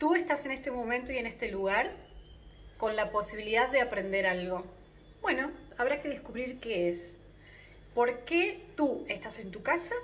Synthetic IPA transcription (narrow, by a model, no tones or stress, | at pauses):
t̪ue̞st̪ase̞ne̞st̪e̞mõ̞mẽnt̪o̞ije̞nest̪e̞luɣ̞aɾ | ko̞nlapo̞siβ̞iliðaðːeapɾe̞nd̪e̞ɾalɣo̞ | b̥we̞no̞aβ̞ɾake̞ðe̞skuβɾiɾkees | po̞ɾke̞t̪ue̞st̪ase̞nt̪ukasa